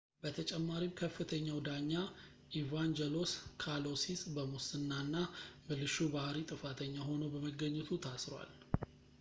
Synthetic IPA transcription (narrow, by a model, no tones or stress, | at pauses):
b̥ət̪ʰət͡ʃʼɛmːaɾimkʰəfːɨt̪ʰəɲːawd̪aɲːa | ʔivand͡ʒɛlo̞skʰalo̞sisbəmusɨnːanːamɨlɨʃubahɾit̪ʼɨfat̪ʰəɲːaɦo̞nobəməɡːəɲːɛt̪ʰut̪ʰasɾwa̰l